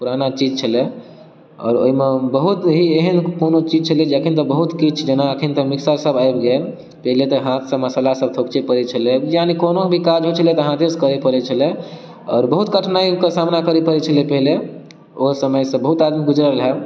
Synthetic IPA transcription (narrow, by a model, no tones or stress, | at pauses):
puɾanat͡ʃid͡ʒt͡ʃʰəle | ɔ̰ːɾo̰imebəɦut̪ɦieɦənkonot͡ʃid͡ʒt͡ʃʰəld͡ʒekʰint̪əbəɦut̪kit͡ʃʰd͡ʒenaəkʰint̪əmiksəɾsəbajbɡel | pəɦlet̪ɔɦãt̪ʰsə̃məsəlasəb̚t̪ʰokt͡ʃepəɾet͡ʃʰəlejanikonobʱikad͡ʒɦot͡ʃʰəlet̪əɦãt̪ʰeskəɾepəɾɛt͡ʃʰəle | ɔ̰ːɾbəɦut̪ɡəʈʰnaikesamnakəɾepəɾɛt͡ʃʰəlepɛɦle | oɦsəməjsə̃bəɦut̪ad̪miɡud͡ʒɾəlɦɛ